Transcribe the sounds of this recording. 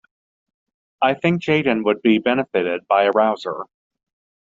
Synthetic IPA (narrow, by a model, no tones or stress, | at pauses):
aɪθɪ̃ŋk̚d̥ʒ̥eɪɾ̃n̩wəd̚bibɛnɨfɨɾɪd̚baɪɨɹaʊzə̰˞